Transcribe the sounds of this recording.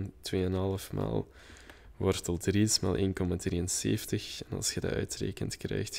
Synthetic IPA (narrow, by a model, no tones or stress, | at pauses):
ntweːənɦɑlˠəfma̰ːlˠ | ʋɔrtəlˠdrismaːlˠʔeːnkɔmadriːənseːftəxɛnɑ̰lˠsxəda̰ʔœɥtreːkəntkrɛjxt